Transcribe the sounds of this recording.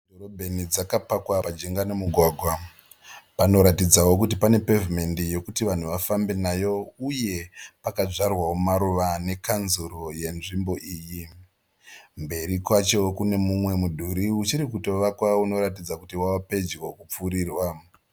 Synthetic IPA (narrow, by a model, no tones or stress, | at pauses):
doɾobʱe̞nid͡zakapakwapad͡ʒeŋɡanemuɡʱwaɡʱwa | pano̞ɾatid͡zawo̞k̬ut̬ipane̞pe̞vume̞ndijo̞kutiʋan̤uʋafambe̞najo̞uje̞pakaʐarwawomaɾuʋane̞kanzuɾoje̞nʐimbo̞ʔiːji | mbe̞ɾikwat͡ʃo̞kune̞mumwe̞mudʱuɾiut͡ʃiɾikuto̞ʋakwauno̞ɾat̬id͡zakutiwawape̞d͡ʒwokup͡fuɾiːrwa